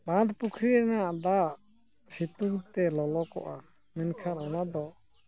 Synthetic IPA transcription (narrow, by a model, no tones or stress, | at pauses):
bãd̪pukʰɾiɾɛnaʔd̪a | sit̪uɡt̪ɛlɔlɔkɔ̰ʔa | mɛnkʰaɾɔnad̪ɔ